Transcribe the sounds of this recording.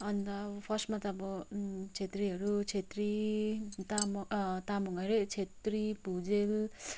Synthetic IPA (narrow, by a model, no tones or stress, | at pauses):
ʌnt̪ʌbʌpʰʌsmat̪ʌːbʌt͡sʰet̪riɦʌɾut͡ʃʰet̪ri | t̪amt̪amuŋʌɾet͡sʰet̪ripud͡zel